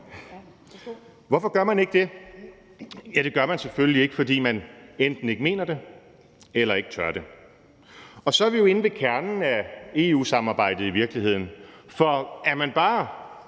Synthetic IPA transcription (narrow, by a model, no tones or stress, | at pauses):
ʋɒfɒ̽ɡ̥ɶɐmæne̝ɡ̥̚d̥e̝ | jæd̥e̝ɡ̥ɶɐmænseføllie̝ɡ̥fɒ̽d̥ḭːmænend̥n̩e̝ɡ̥əme̝̰ːnɐd̥e̝ | elɐe̝ɡ̥t͡sʰɶɐ̰ɾ̥e̝ | ɒ̽sɒ̽ɐʋijo̝e̝nʋe̝kʰæɐnn̩æe̝ːṵːsɑ̈mɑ̈ːb̥ɑ̈ɪ̰d̥ð̞̩ˠiʋiɐɡ̥lihe̝ð̞̰ˠn̩fɒ̽æɐmænb̥ɑ̈ː